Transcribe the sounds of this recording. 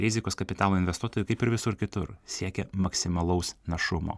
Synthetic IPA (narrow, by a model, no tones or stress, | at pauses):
ɾʲɪzʲɪkoːskɐpʲɪt̪ɑːlˠoːɪnʋʲɛst̪uɔt̪oːjʊkɐɪpɪɾʋʲɪsʊɾkʲɪt̪ʊɾsʲiɛkʲɛmɐksʲɪmɐlˠɐʊsnɐʃʊmo̰ː